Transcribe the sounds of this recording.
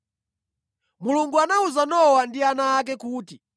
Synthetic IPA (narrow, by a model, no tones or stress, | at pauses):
muluŋɡuanauzanɔwandianaːk̬ɛkuːti